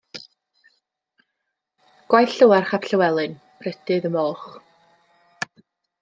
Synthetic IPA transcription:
ɡ̥wajθɬəwɛrχapʰɬəwɛlˠɨn | pʰrɛdɨðəmɔχ

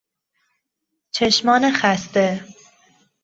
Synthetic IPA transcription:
t͡ʃʰeʃmɒːnexæst̪e

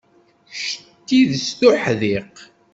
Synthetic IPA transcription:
ʃət̪ːiðst̪uħðiq

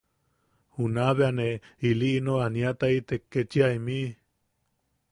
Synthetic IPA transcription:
hunaβeaneiliʔinoaniat̪ait̪ekːet͡ʃiaimi

